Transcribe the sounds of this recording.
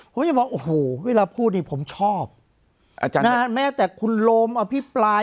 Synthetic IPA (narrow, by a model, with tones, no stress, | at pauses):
pʰo˨˦mt͡ɕa˧˩bɔː˧˩ʔoː˨˩hoː˨˩weː˧laː˧pʰuː˥˩t̪̚niː˥˩pʰo˩˦mt͡ɕʰɔː˥˩p̚ | ʔa˧t͡ɕa˧na˦˥mɛː˥˩t̪ɛː˨˩kʰu˧nloː˧mʔa˧pʰi˦˥pɾaː˧